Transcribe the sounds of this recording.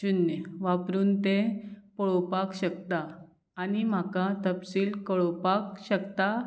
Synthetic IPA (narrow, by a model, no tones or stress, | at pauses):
d͡ʑunjəʋapɾuːnt̪ẽpɔɭɔpakɕəkt̪aː | nim̤akãt̪əpsiːlkəɭɔpakɕəkt̪a